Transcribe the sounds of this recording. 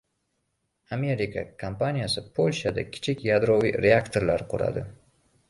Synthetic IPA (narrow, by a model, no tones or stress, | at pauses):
ame̞ɾikʰa̰kʰampanijasɪpʰolʲʃad̪a̰kʲʰɪ̥t͡ʃʰɪkʲjad̪ɾoviɾeakt̪ʰoɾlaɾqʰʊɾa̰d̪ɪ